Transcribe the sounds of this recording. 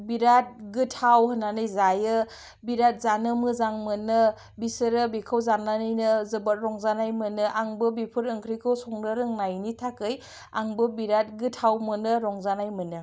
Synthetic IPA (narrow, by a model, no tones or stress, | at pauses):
biɾat̚ɡɯtʰawhɯnːanɯjzajɯ | biɾat̚zanɯmɯzaŋmɯnɯ | bisɯɾɯbikʰawzananɯjnɯzɯbat̚ɾɔŋzanajmɯnɯʔaŋbɯbipʰɯɾɯŋkʰɾikʰɯwsɔŋɾɯɾɯŋnajnitʰakɯj | a̰ŋbɯbiɾat̚ɡɯtʰhawmɯnɯɾɔŋzanajmɯnɯ